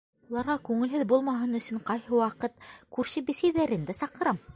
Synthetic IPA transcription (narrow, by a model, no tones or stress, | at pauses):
ulˠɑɾʁɑkʉŋɘ̆lɦɘðbulˠmɑɦɤnɵ̆sɵɴqɑjhɤwɑqɤt̪kʉɾɕɘbisæjðæɾɘ̆nd̪æsɑqɤ̆ɾɑm